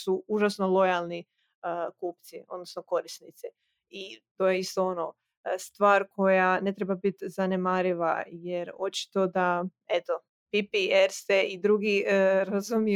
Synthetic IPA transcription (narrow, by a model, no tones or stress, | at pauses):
suuʒasno̞lˠo̞jalˠni | əkuːpt̪siʔo̞̰d̪nosnoko̞ɾisnit̪si | it̪o̞ːjeist̪oono | st̪ʋaːɾkʰo̞jane̞t̪ɾe̞babit̪zane̞maːɾiʋa̰je̞ɾo̞t͡ʃi̥t̪o̞d̪a | et̪o̞ | pipieɾseid̪ɾuɡiɾazumi